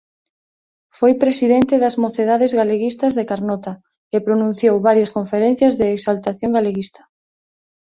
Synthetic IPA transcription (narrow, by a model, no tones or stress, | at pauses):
fojpɾesiðent̪ɪðɐzmoθeðaðezɣaleɣist̪ɐzðekaɾnɔt̪a | epɾonũn̟θjowβaɾjɐskoɱfeɾẽn̟θjɐzðeːksalt̪aθjoŋɡaleɣist̪ɐ̥